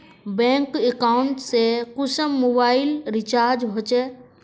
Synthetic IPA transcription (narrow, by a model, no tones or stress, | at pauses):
bẽːŋkekaɳʈsekʊsəmːobaːilɾɪt͡ʃaːɾd͡ʒbʱot͡ʃe